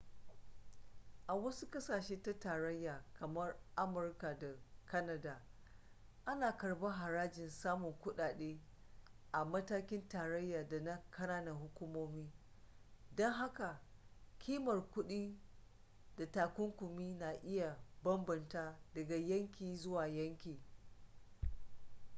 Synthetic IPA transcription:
ʔa˨wɐ˦su˦kɐ˦saː˨ʃeː˦ta˦taː˨ɾɐ˦jːaː˨kʰɐ˨mɐ˦rʔa˦mʊ˨rka˨da˨kɐ˦nɐ˦daː˨ | ʔa˦naː˨kɐ˨rba˦ɦa˨ɾaː˦d͡ʒɪ˨nsaː˦mʊ˨ŋkʷʊ˦ɗaː˨ɗeː˦ | ʔa˨mɐ˦taː˦kʲɪ˦ntaː˨ɾɐ˦jːaː˨da˨na˦kʰɐ˦naː˦na˨hʊ˦kʷu˦moː˦miː˦ | dɔ˦ŋɦa˦ka˨kʲʰiː˦mɐ˨rkʷʊ˦ɗiː˦ | da˨taː˨kʷʊ˦ŋkʷʊ˨miː˦na˨ʔɪ˦ja˨bɐ˦mbɐ˨ntaː˦dɐ˨ɡa˨jɐ˦ŋkʲiː˨zʊ˦waː˨jɐ˦ŋkʲiː˨

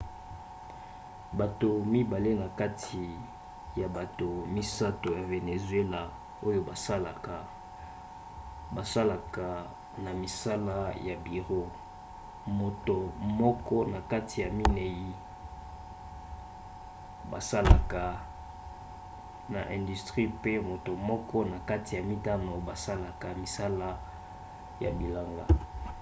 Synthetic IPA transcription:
ba˨to˨mi˦ba˨le˦na˨ka˦tʰi˨ | ja˨ba˨to˨mi˦sa˦to˨ja˨ve˨ne˨zwe˦la˨ | o˦jo˦ba˨sa˦la˨ka˨ | ba˨sa˦la˨ka˨ | na˨mi˨sa˦la˦ja˨bi˨ʁo˦ | mo˨to˨mɔ˦kɔ˦na˨ka˦tʰi˨ja˨mi˦ne˨ji˨ | ba˨sa˦la˨ka˨ | na̰˨ʔɛ̃˨ndy˨stʁi˦pe˦mo˨to˨mɔ˦kɔ˦na˨ka˦ti˨ja˨mi˦ta˦no˨ba˨sa˦la˨ka˨mi˨sa˦la˦ | ja̰˨bi˨la˦ŋɡa̰˦

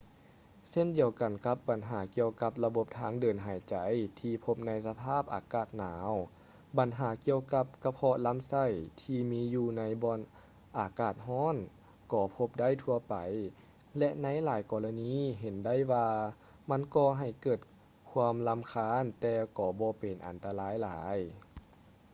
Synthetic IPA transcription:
se˧˥˨ndi˧˩əwka˨˩nka˧˦˥p̚ba˨˩nɦaː˩˦ki˧əwka˧˦p̚la˧bo˧p̚t̪ʰaː˧˥˨ŋdɤː˨˩nɦaː˨˩˦jt͡ɕa˨˦jt̪ʰiː˧pʰo˧˥p̚na˧˥jsa˧pʰaː˥˩p̚ʔa̰ː˨˧kaː˧˩t̪̚naː˩˦w | ba˨˦nɦaː˩˦ki˧əwka˧˦p̚ka˧pʰɔː˧la˧˥˨msa˧˩jt̪ʰiː˧miː˧˥juː˧˩na˧˥jbɔː˧n | ʔaː˨˩kaː˧˩t̪̚ɦɔː˧˥˨n | kɔː˧˩pʰo˧˥p̚da˥˨jt̪ʰu˧ɐpa˨˩j | lɛ˧ʔna˧˥jlaː˨˦jkɔː˧la˧niː˧˥˨ɦe˨˩˦nda˥˩˨jwaː˧ | ma˧˥˨nkɔː˧˩ɦa˨˩jkɤː˧˩t̪̚ | kʰu˧əmla˧˥mkʰaː˧˥˨nt̪ɛː˧kɔː˧˩bɔː˧˦pe˨˩nʔa̰˨˩nt̪a˧laː˧˥jlaː˩˦j

